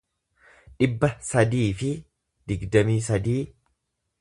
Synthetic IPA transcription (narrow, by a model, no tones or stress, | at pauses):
ᶑɪbːɐsɐd̪iːfɪ | d̪ɪɡd̪ɐmiːsɐd̪iː